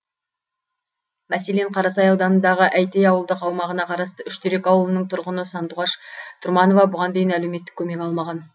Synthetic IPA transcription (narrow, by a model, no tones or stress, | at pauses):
mæse̞le̞ɴqʰɑɾɑsɑjɑwd̪ɑnənd̪ɑʁəʔæjt̪ejɑwəlˠd̪əqɑwmɑʁənɑqʰɑɾɑst̪əʏʃt̪ʰeɾe̞kɑwəlˠənəɴt̪ʰʊɾʁənəsɑnt̪uʁɑʃt̪ʰʊɾmɑno̞vɑbʊʁɑnd̪e̞jɪnæleme̞t̪ːɪkʲʰːɵme̞kʲɑlˠmɑʁɑn